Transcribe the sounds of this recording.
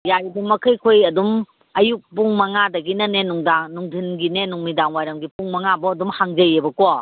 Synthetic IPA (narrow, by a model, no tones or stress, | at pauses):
jajdumːɐkʰɐjkʰojɐdum | ɐjuk̚puŋmɐŋadɐɡinɐnenuŋdaŋnuŋdʱinɡinenuŋmidaŋwajɾɐmɡipuŋmɐŋabɔːdumhaŋd͡ʒɐjebɐkɔ